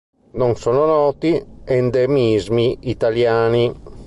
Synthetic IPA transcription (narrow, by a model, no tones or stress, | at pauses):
nonsoːnonɔːt̪iend̪emizmiːt̪aljaːni